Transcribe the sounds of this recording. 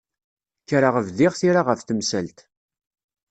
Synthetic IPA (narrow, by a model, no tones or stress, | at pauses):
çɾaʁəvðɪʁθiɾaʁəfθəmsælt̪